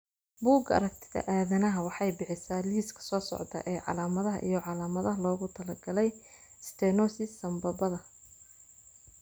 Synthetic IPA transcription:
buːɡɐ̰ɾɐk̚t̪ʰɪ̥ðɐ̰ʔaːðɐnɐɦɐwɑħɑjbɪħɪsaːliːskʰɐ̥sɔːsɔ̰ʕd̪ɐ̰ʔɛːʕɑ̰laːmɐðɐɦɐ̰ʔḭjɞʕɑlaːmɐðɐɦɐlɔːɣʊt̪ʰɐlɐɡɐlɛj | st̪ʰɛnɔsɪsːɐmbɐbɐðɐ

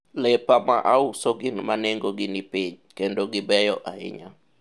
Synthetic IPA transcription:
lɛpama̰ʔausoɡinmaneŋɡoɡɪnipiɲ | kendoɡɪbɛjɔʔaɪ̰ɲa̰

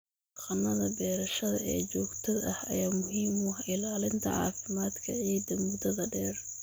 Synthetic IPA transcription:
qɐnːɐðɐbɛːɾɐʃɐðɐ̰ɛ̰ːt͡ʃɔːɡt̪ʰɔd̪ɐhɐ̰jaːmʊɦiːmʊɐħɪlaːlɪnt̪ʰɐ̰ʕɑ̰ːfɪmaːd̪kʰɐʕiːd̪ɐmʊd̪ɐðɐɖɛːr

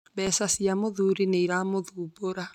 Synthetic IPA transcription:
βɛːsasjamoðuɾineiɾamoðuboɾa

